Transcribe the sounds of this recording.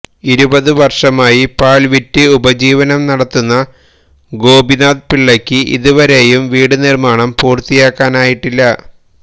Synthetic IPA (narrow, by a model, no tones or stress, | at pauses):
iɾubɐðɨʋɐrʂɐmaːjipaːɭʋitːɨubɐd͡ʑiːʋɐnɐmnɐɽɐt̪ːunːɐ | ɡo̞ːbinaːðpiɭːɐkʲːɨʔḭðuʋɐɾe̞jumʋiːɽɨnirmaːɳɐmpuːrt̪ijaːkːaːnaːjiʈːilːɐ